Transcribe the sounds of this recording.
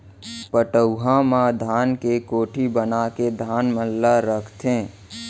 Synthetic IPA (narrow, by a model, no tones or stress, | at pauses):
pəʈəʊɦãmãd̪ʱaːnkekoːʈʰibənaked̪ʱaːnməlːaɾəkʰt̪ʰẽ